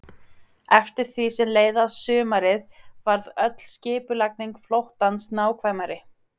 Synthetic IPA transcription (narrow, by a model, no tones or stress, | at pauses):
ɛft̪ɪɾ̥θisɛmleːjðasʏːmaɾɪðvaɾðœt̪l̥scɪːpʏlakniŋkflowht̪ansnaːwkʰvajmaɾɪ